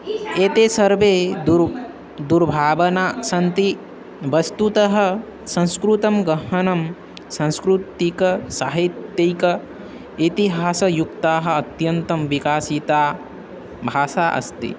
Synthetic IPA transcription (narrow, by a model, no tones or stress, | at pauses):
eːt̪eːsɐɾʋeː | d̪uɾbʱaːʋɐnaːsɐnt̪i | ʋɐst̪ut̪ɐɦɐ̆ | sɐ̃ñskɾut̪ɐmɡɐɦɐnɐm | sɐ̃nskɾut̪ikɐsaːɦit̪ːjɐjkɐ | it̪iɦaːsɐjukt̪aːɦɐ̆ɐt̪jɐnt̪ɐmʋikaːsit̪aː | bʱaːʃaːʔɐ̰st̪ḭ